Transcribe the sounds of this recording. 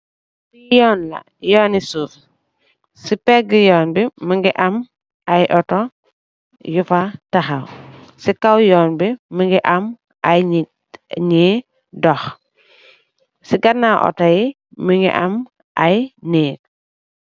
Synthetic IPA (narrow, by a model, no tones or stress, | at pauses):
sijɔːnlɐ̰ | jɔːnisuːf | sipɛɡijɔːnbiməŋɡiʔɐm | ɐjʔɔtɔ | jufatɐxɐwsikɐwjɔːnbiməŋɡiʔɐm | ɲi | dɔx | siɡɐnaʔɔ̰tɐji | məŋɡḭʔɐm | ʔɐjniːk̚